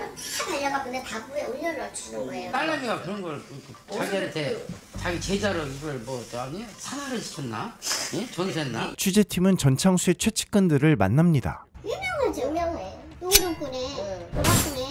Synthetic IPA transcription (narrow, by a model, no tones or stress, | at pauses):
ataʎːaŋak͈ɯnentaɡue̞oʎːʌɾɯɭɾʌt͡ɕʰunɯɡoejot͈aɭːamiɡakɯɾʌnɡʌɭɯkt͡ɕaɡiʌnetʰet͡ɕaɡit͡ɕe̞d͡ʑaɾoiɡʌɭmwʌt͡ɕoanesʰanaɾɯɭt͡ɕi̥t͡ɕʰʌnːajet͡ɕʌnsʰenːat͡ɕʰud͡ʑe̞tʰimɯnt͡ɕʌnt͡ɕʰaŋsʰuet͡ɕʰwe̞t͡ɕʰi̥k͈ɯndɯɾɯɭma̰nːamɲida̰jɯmjʌŋɯnd͡ʑɯmjʌŋɯnejotooɾʌŋk͈uɲiomak͈uɲi